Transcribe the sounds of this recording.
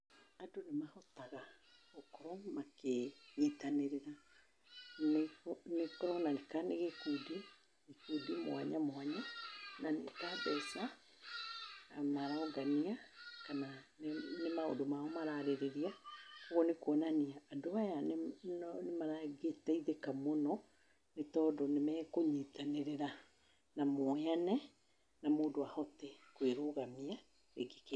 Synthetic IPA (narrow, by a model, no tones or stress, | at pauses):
adonemahɔtaɣa | okɔɾɔmakeɣetaneɾeɾa | nnekɔɾɔnanekaneɣekudi | ekudimw̰aɲamwaɲananḛkabɛsa | amaɾaɔɡaniakanannemao̰domaɔmaɾaɾeɾeɾiakoɣɔnekoɔnaniaːdoajannnemaɾaɡetɛiðekamɔnɔ | netɔːdɔnemɛːkoɲitaneɾeɾa | namoɛanɛ | namoːndoahɔtɛkweɾoɣamia | eɡeke